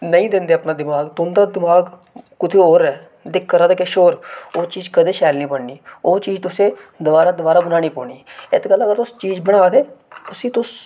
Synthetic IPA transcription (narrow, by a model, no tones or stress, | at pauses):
nəĩːd̪ɪ̃nd̪eːəpnaːd̪ɪmaːɡt̪ʊnd̪aːd̪ɪmaːɡ | kʊt̪ʰeːɦoːɾɛː | d̪ɪkʰːəɾaːd̪eːkeʃoːɾoːt͡ʃiːd͡ʒkəd̪eːʃɛːlnĩːpəɳniːoːt͡ʃiːd͡ʒt̪ʊsẽːd̪ʊʋaːɾaːd̪ʊbaːɾaːbənaːñiːpɔ̰ːniːɪt̪ɡələɡəɾt̪ʊst͡ʃiːd͡ʒbəɽ̃aːd̪eːʊsĩːt̪ʊs